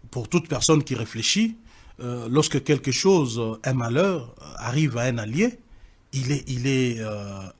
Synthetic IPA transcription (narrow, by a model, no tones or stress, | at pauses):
puʁt̪ut̪pɛʁsɔnkʲiʁefleʃi | lɔʁskəkʲɛlkəʃozɛ̃malœːʁa̰ʁivaɛ̃nalje | ilɛʔilɛø